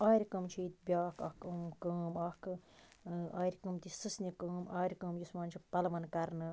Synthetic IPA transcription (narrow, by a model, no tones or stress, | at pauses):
aːɾʲkɐmt͡ʃʰiːt̪̚bʲaːkʰɐkʰɨmkəːmɐk | aːɾʲkɨmt̪isɨsnikɨːmaːɾʲkɨːmjismaːnʲt͡ʃʰipɐlʋɐnkɐɾnɨ